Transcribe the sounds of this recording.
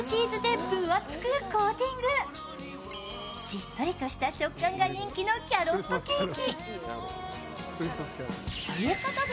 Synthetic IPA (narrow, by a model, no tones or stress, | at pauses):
t͡ɕiːzɨd̪epːɯ̟βat͡sɨ̥kɯ̟koːt̪ʲĩŋɡɯ̟ | ɕit̪ːo̞ɾʲit̪o̞ɕi̥t̪at͡ɕo̞kːãŋɡaɲĩŋkʲino̞ːkʲiaɾot̪ːo̞kʲiːkʲi | jekot̪o